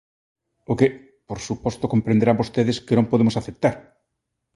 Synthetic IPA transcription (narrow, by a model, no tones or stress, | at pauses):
okɪ | poɾsupɔst̪okompɾẽnd̪eɾambost̪eðɪskenõmpoðemʊsaθep̚t̪aɾ